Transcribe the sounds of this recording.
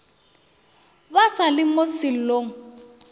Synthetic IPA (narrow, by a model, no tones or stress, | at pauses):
basalɪmosɪl̩loːŋ̩